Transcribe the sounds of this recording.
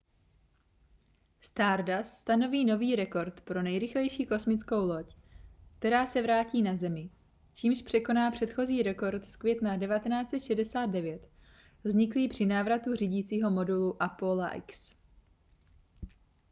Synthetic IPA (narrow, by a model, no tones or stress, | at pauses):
st̪aːɾdasːt̪ano̞viːno̞viːɾɛko̞ɾt̪pɾo̞nɛjɾɪxlɛjʃiːko̞smɪt͡sko̞wlo̞c | k̚t̪ɛɾaːsɛvɾaːciːnazɛmɪ | t͡ʃiːmʃpr̥ɛko̞naːpr̝̥ɛt̪xo̞ziːɾɛko̞ɾt̪skvjɛt̪nadɛvat̪ɛnaːt͡sɛt̪ʃɛdɛsaːt̪d̪̚dɛvjɛt̪ | vzɲɪkliːpr̝̥ɪnaːvɾat̪ur̝iɟiːt͡siːɦo̞mo̞duluʔapola̰ʔɛ̰ks